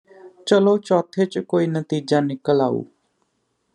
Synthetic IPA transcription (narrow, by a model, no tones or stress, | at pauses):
t͡ʃəloːt͡ʃɔːt̪ʰːeːt͡ʃkoːiːnət̪iːd͡ʒãːnɪkːəla̰ːṵː